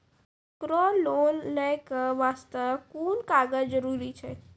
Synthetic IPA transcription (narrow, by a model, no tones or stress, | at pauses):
pɾɔloːnːəkəʋaːst̪əkuːnkaːɡəd͡ʒəɾuːɾit͡ʃʰɛ